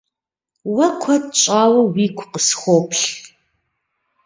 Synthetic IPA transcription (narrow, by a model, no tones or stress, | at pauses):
wɐkʷʰɐtt͡ʃʼaːwɐwiːkʷʰqəsxʷoːpʰɬ